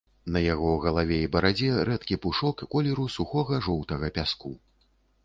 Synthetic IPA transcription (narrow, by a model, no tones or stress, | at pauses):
nɐjaɣɔwɣɐlˠavʲɛibɐɾad͡zʲɛɾɛt̪kʲipuʂɔkkɔlʲɛɾusuxɔɣɐʐɔwt̪ɐɣɐpʲasku